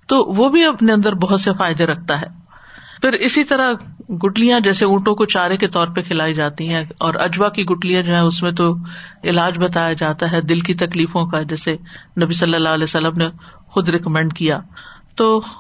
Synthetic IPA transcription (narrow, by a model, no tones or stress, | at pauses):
t̪oːʋoːbʱiɐpneɐ̃nd̪əɾbɐɦʊt̪sefaːɪd̪eɾɐk̚ʰt̪aɦɛː | fɪɾɪsit̪ɐɾaɡʊʈlijãd͡ʒɛːseũːʈõkot͡ʃaːɾeket̪ɔːɾpekʰɪlaːid͡ʒaːt̪iɦɛ̃ɔːɾɐ̰d͡ʒwakiɡʊʈlijãd͡ʒoːɦɛ̃ʊsmẽt̪̬oɪlaːd͡ʒbɐt̪̬aːjad͡ʒaːt̪aɦɛd̪ɪlk̬it̪ɐkliːfõkad͡ʒɛːsenɐbisɐlːəlːaɦlɛːsɐlːəmne | xʊd̪ɾɪkmɛ̃ːɳɖkijaːt̪oː